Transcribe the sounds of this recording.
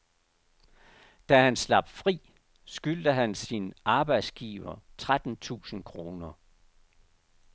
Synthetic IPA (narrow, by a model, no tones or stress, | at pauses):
d̥æhænslɑ̈b̥fʁḭː | sɡ̥yld̥əɦænsinʔɑ̈ːb̥ɑ̈ɪd̥sɡ̥iːʋɐt͡sʰʁad̥n̩t͡sʰṵːsn̩kʰʁo̝ːnɐ